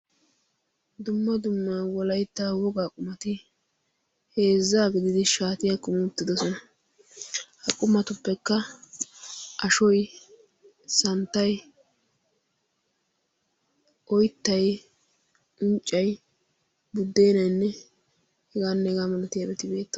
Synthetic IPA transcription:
d̪ʊmːɐd̪ʊmːaːwɔlɐjt̪ːaːwɔɡaːkʼʊmɐt̪ɪ | he̞ːzːaːɡɪd̪ɪd̪ɪʃaːt̪ɪjakʊmɪʊt̪ːɪd̪ɔsɔnɐ | hɐkʼʊmːɐt̪ʊpːɛkːɐ | ʔɐʃɔj | sɐnt̪ːɐj | ʔɔjt̪ːɐj | ʊnt͡ʃʼːɐj | bʊd̪ːe̞ːnɐjnːɛ | hɛɡaːnːɛɛɡaːmɐlɐt̪ɪjabɛt̪ɪbe̞ːt̪ː

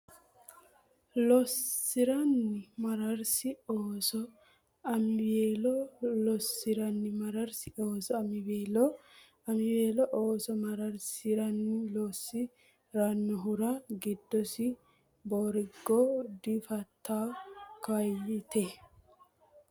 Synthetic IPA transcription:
lɔsːɪɾɐnːɪmɐɾɐɾsɪoːsɔ | ɐmbeːlɔlɔsɪɾɐnːɪmɐɾɐɾsɪoːsɔɐmɪbeːlɔ | ɐmɪbeːlɔʔoːsɔmɐɾɐɾsɪɾɐnːɪlosːɪ | ɾanːɔɦʊɾɐɡɪd̪ːɔsɪ | boːɾɪɡːɔd̪ɪfɐt̪ːaːkɐjːɪt̪ɛ

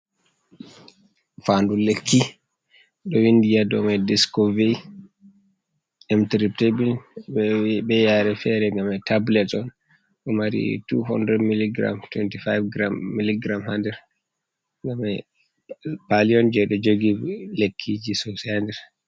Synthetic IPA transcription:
fandulekʰːi | ɗɔwindijadɔmadiskɔvej | ɛmtɾip̚tebin | bɛjaɾɛfɛɾɛŋɡamɛtablɛtɔn | ɗɔmaɾḭtuɦɔ̰ndɾɛdmiliɡɾa̰mtwɛntifajfɡɾamːiliɡɾamhandɛɾ | ŋɡamɛ | paliɔnd͡ʒɛɗɔd͡ʒoɡilekʰːid͡ʒisosɛhandɛɾ

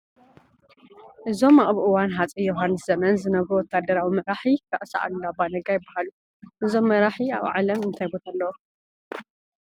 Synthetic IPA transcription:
ʔɨzo̞maʔʼβʔɨwanɦat͡sʼijoɦanːɨsz̥ɐmɐnzɨnɐβuwɔt̪ʰːad̪ɐɾawimɐɾaħikʰɐʔʼsa̰ʕa̰d̪abanɐɡajɪbːahalu | ʔɨzo̞mːɐɾaħia̰βʕa̰lɐmɨnt̪ʰajbot̪ʰalːɐwo

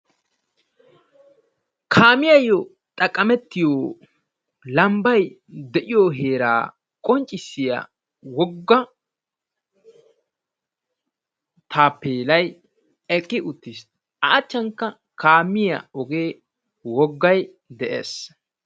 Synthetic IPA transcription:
kʰaːmɪjɐjːɔ | t̪ʼɐkʼːɐmɛt̪ːɪjoː | lɐmbɐj | d̪ɛʔɪjoːɦe̞ːɾa̰ː | kʼɔnt͡ʃʼːɪsːɪja̰ | wɔɡːɐ | t̪ʰaːpːeːlɐj | ɛkʼːɪʔʊt̪ːɪs | ɐːt͡ʃːɐŋkːɐ | kʰaːmɪjɐ̰ɔɡe̞ː | wɔɡːɐj | d̪ɛʔḛːs

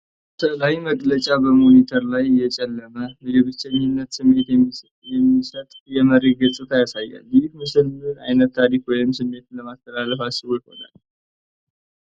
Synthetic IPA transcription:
t̪ʰəlajiməkʼlət͡ʃʼabəmo̞nit̪ʰəɾlajːɛt͡ʃʼɛlːəməwd͡ʒɛβɨt͡ʃːɛɲunːət̪sɨmːet̪ | jɛmːisət̪ʼjɛməɾe̞t̪̚ɡɨt͡sʼɨt̪ʰajasajːa̰ljɪhmɨsɨla̰jnət̪ʰːaɾikwɔjɪmsɨmːe̞t̪ləmast̪ʰəlaləfat͡ʃːɪwɔjho̰na̰l

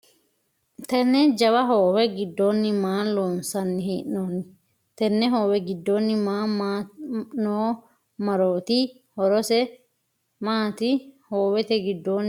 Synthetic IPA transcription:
t̪ɛnːɛd͡ʒɐwɐɦoːwɛɡɪd̪ːoːnːɪmaːloːnsɐnːɪhiːʔnoːnːɪ | t̪ɛnːɛɦoːwɛɡɪd̪ːoːnːɪmaːmanoː | mɐɾoːt̪ɪ | hɔɾɔsɛ | maːt̪ɪhoːwɛt̪ɛɡɪd̪ːoːnː

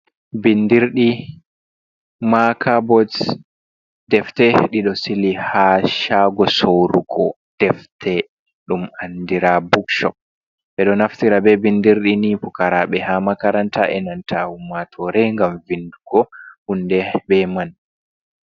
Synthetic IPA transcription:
bindiɾɗi | makʰabɔd | dɛftɛɗiɗɔsilihaʃaɡɔsowɾuɡɔ̰ | d̥ɛftʰɛ | ɗumandiɾabukʃɔ̰p̚ | ɓɛɗɔnaftiɾabɛbindiɾɗinipukaɾaɓɛhamakaɾantaʔɛnantʰahumatʰɔɾɛŋɡamvinduɡɔhundɛbɛman

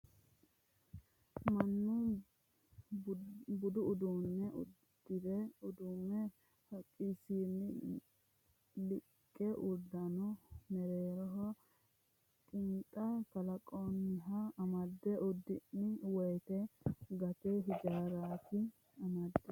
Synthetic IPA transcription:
mɐnːʊ | bʊd̪ʊːd̪unːɛʔʊ̰dd̪̥ɪd̪ɛʊd̪ʊnːɛ | hɐkʼːisiːnːɪ | lɪkʼːɛʔʊɾd̪ɐnʊmɛɾeːɾɔɦɔ | kʼɪnt̪ʼɐk̪ɐlɐkʼonːɪɦɐɐmɐd̪ːɛʔʊd̪ːɪnːɪwɔjt̪ɛɡɐt̪ɛɦɪd͡ʒaːɾaːt̪ɪ | ɐmɐd̪ːɛ

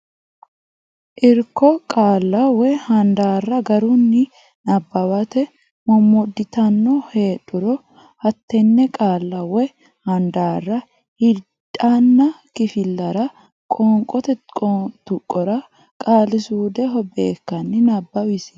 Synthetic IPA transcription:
ʔɪɾkːɔkʼaːlːɐwɛhɐnd̪aːrːɐɡɐɾʊnːɪ | nɐbːɐwɐt̪ɛ | mɔmːɔd̪ːɪt̪ɐnːɔhe̞ːᶑʊɾɔ | hɐt̪ːɛnːɛkʼaːlːɐwɛ | hɐnd̪aːrːɐ | hɪ | tʼːanːɐ | kɪfɪlːɐɾɐ | kʼɔːŋkʼɔt̪ɛɔt̪ʊkʼːɔɾɐ | kʼaːlɪsuːd̪ɛɦɔbe̞ːkːɐnːɪnɐbːɐwɪsɪ̥

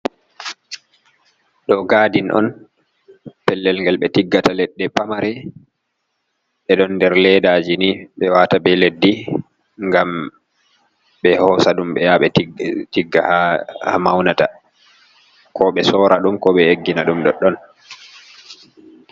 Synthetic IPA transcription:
ɗɔɡaːdinʔɔ̰n | pɛlːɛlŋɡɛlɓɛtiɡːatalɛɗːɛpamaɾɛ | ɓɛɗɔnːdɛɾlɛdaːd͡ʒiniɓɛwatabɛledːi | ŋɡam | ɓɛhɔsaɗumɓɛjaɓɛitiɡːahaha̰mawnata | kʰɔɓɛsɔːɾaɗumkɔɓɛeɡːinaɗumɗɔɗːɔn

